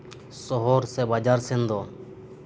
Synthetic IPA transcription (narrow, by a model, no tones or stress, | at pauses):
sɔɦɔɾsɛbad͡ʒaɾsɛnd̪ɔ